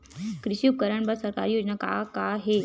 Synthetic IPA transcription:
kɾiɕiup̚kəɾəɳbəɾsəɾka̰ɾijod͡ʑnaka̰kaɦe

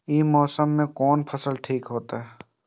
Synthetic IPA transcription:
iːmɔːsəmːẽkɔːnpʰəsəlʈʰiːkɦoːt̪aɦɛː

